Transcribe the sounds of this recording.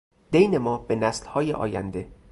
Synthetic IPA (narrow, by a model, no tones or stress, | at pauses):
d̪̥ejne̞mɒːbenæslhɒːjḛʔɒ̰ːjæ̰nd̪e̞